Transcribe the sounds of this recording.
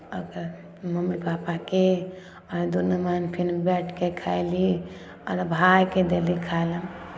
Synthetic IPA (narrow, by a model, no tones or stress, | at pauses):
əɡəɾ | məmːibapake | ɔɾd̪unəmənpʰinbɛʈʰkekʰajli | ɔ̰ɾbʱajked̪elikʰajləm